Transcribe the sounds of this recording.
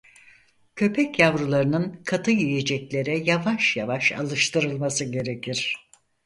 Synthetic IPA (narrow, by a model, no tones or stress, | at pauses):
cʰø̞pʰɛcjavɾulˠaɾɯnɯnkʰat̪ʰɯjijed͡ʒɛclʲe̞ɾɛjavaʃja̰vaʃa̰lˠɯʃt̪ʰɯɾɯlˠmasɯɟe̞ɾecʰiɾ̥